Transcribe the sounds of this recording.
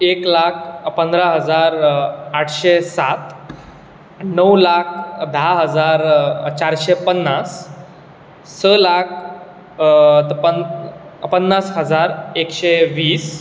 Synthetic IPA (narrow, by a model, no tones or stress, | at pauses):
eklakʰpənd̪ɾaɦəd͡zaɾaʈʰɕesat̪ | nəwlakʰd̪ʱaɦəd͡zaɾt͡ɕaɾɕepənːas | əlakʰ | t̪əpə | pənːasɦəd͡zaɾekɕeʋiːs